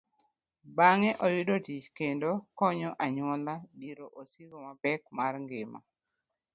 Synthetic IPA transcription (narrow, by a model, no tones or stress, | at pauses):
baŋɛʔojʊdotit͡ʃkendokɔɲɔʔaɲwɔladiɾoʔosiɡomabɛk̚marŋɡɪma̰